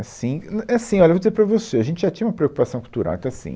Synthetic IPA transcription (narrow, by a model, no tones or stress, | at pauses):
asĩɛasĩɔljɐevod͡ʒizeɾpɾɐvoseaʒẽnt͡ʃɪʒat̪ĩj̃ũmɐpɾeokupasɐ̃w̃kult̪uɾa̰w̰̃ẽt̪ɐ̃w̃asḭ̃